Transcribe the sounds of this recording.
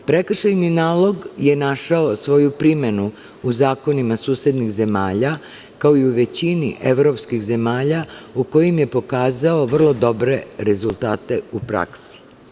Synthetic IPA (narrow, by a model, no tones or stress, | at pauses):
pɾekr̩ʃajninaːlˠo̞ɡje̞naʃaosʋo̞jupɾime̞nu | uzaːko̞nimasuːsjed̪nixze̞ma̰ːʎa | kaoiuʋe̞t͡ɕinḭʔe̞ʋɾo̞pskixze̞maːʎauko̞jimje̞po̞kaːzaoʋr̩lˠo̞d̪o̞bɾe̞ɾe̞zulˠt̪aːt̪e̞upɾa̰ksi̥